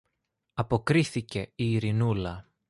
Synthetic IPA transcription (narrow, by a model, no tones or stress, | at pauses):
ɐpo̞kɾiθice̞iːɾinulɐ